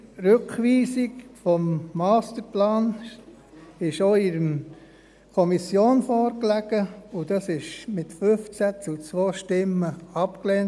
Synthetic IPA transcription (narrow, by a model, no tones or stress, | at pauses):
ɾʏkχʋiːsikfɔmːɑːst̪əɾplɑːn | ɪʃoɪɾəm | kʰɔmisjoːnfɔːɾklæɡ̥əʊd̥ɑsɪʃmɪtfʏft͡sæt͡sut͡sʋoːʃtɪmːəɑpklɛːn